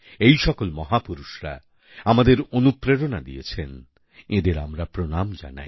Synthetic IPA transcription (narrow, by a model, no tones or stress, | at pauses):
ejʃɔkolmɔɦapuɾuʃɾa̰ | amad̪eɾonupɾeɾonad̪ijet͡ɕʰen | ed̪eɾa̰mɾapɾonamd͡ʑa̰na̰j